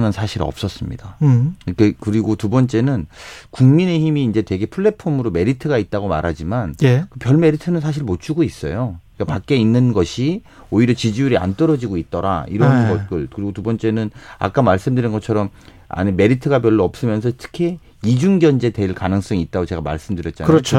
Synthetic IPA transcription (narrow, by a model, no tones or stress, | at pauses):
nɯnsʰaɕʰiɾʌ̰p̚s͈ʌs͈ɯmɲḭdak͈ekɯɾiɡotubʌnt͡ɕ͈e̞nɯnkuŋmine̞çimiːnd͡ʑe̞twe̞ɡe̞pʰuɭːe̞pʰomɯɾome̞ɾitʰɯɡait̚t͈aɡoma̰ɾɦad͡ʑimanjkɯpjʌɭme̞ɾitʰɯnɯnsʰaɕ̬ʰiɭmot͡ɕʰuɡois͈ʌ̰joik͈apak̚k͈e̞inːɯnɡʌɕʰi | oiɾjʌt͡ɕid͡ʑiuɾia̰nt͈ʌɾʌd͡ʑiɡoit̚t͈ʌɾa̰ḭɾʌnnɡʌt̚k͈ɯɭkɯɾiɡotubʌnt͡ɕ͈e̞nɯna̰k͈amaɭs͈ɯmdɯɾinɡʌt͡ɕʰʌɾʌm | a̰ɲime̞ɾitʰɯɡap̬jʌɭːoʌp̚s͈ɯmjʌnsʰʌtʰɯ̥kʰi | id͡ʑuŋɡjʌnd͡ʑe̞te̞iɭkanɯŋs͈ʌŋiːt̚t͈aɡot͡ɕe̞ɡama̰ɭs͈ɯmdɯɾjʌt̚t͡ɕ͈anaɾʌo